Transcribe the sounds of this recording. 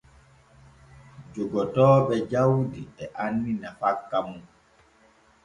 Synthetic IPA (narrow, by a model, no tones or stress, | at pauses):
d͡ʒuɡɔtɔːɓɛd͡ʒawdiɛʔanːinafakːamun